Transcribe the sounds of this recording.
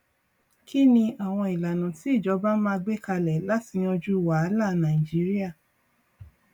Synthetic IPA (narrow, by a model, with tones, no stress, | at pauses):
kʰi˦nĩ˧a˨w̃ɔ̃˧i˨la˨nũ˨ti˨˦i˦˨d͡ʒɔ˨˦ba˦mãː˦˧ɡ͡be˦ka˧lɛ˨la˦ti˨˧nĩ˧ɔ̃˧d͡ʒu˦˨wa˨˦la˦˨˦nã˨i˨d͡ʒi˨˦ɾi˦a˦˨